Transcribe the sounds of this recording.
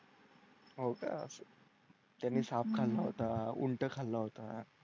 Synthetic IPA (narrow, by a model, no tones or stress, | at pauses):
ɦoka̰s | t̪janːiːsap̚kʰalːaɦot̪aṵɳʈəkʰalːaɦot̪a